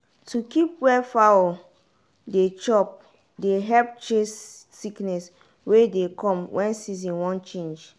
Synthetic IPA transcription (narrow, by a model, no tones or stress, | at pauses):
tukipwɛfawɔ | det͡ʃɔp̚ | deɦɛp̚t͡ʃesː | iknɛs | wedekɔ̃mwʔɛ̃nsizĩnwɔ̃nt͡ʃẽnd͡ʒ